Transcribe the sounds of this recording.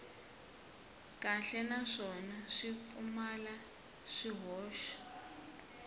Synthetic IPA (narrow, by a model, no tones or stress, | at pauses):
kʼaɬɛnaʂɔnaʂifumala | ʂiɦɔːʃɔ̥